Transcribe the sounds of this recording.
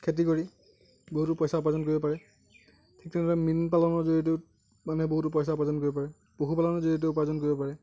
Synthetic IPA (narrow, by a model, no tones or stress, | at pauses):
kʰet̬ikoɹi | boɦutʊpɔjsaʊp̬azɔnkoɹibɔpaɹɛ | tʰik̚tʰɛnɔaminpalɔnɔɹzoɹteʊ | manɛboɦutʊpɔjs̬aʊpazɔnkoɹibɔpaɹɛ | b̥oɦupalɔnɔɹzoiteʊpazɔnkoɹibɔpaɹɛ